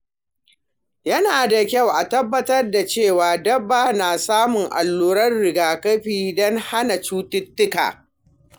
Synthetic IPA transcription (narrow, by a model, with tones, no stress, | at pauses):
jɐ˦naː˨da˨kʲa˦˨wʔa˨tɐ˦bːɐ˦tɐ˦rda˨t͡ʃeː˦˨waː˨dɐ˦bːaː˦naː˨saː˦mʊ˨ŋʔa̰˨lːuː˦ɾɐ˦rɽɪ˨ɡaː˨kɐ˦ɸiː˨dɔ˦ŋha˦na˨t͡ʃuː˦tɪ˦tːʊ˦ka̰ː˨